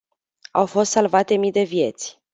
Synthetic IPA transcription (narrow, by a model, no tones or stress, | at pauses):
awfo̞st̪salvat̪e̞mid̪e̞vje̞t̪sʲ